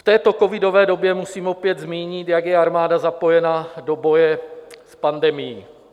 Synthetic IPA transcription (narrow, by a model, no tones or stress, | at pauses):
ft̪ɛːt̪o̞ko̞vɪdo̞vɛːdo̞bjɛmusiːmo̞pjɛd̪zmiːɲɪt̪jaɡjɛaɾmaːdazapo̞jɛnado̞bo̞jɛspandɛmɪjiː